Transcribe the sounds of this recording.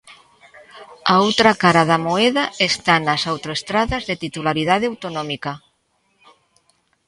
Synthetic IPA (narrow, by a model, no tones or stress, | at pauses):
aowt̪ɾakaɾaðamoeðaest̪anasawt̪oest̪ɾaðazðet̪it̪ulaɾiðað̞eawt̪onɔ̃mika